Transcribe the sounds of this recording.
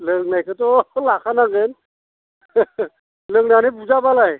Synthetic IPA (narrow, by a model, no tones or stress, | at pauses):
ləŋnajkʰɯtɔlakʰanaɡen | ləŋnanibuzabalaj